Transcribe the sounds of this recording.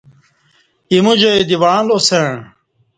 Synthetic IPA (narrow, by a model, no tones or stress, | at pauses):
imud͡ʑɐjd̪iwãːlose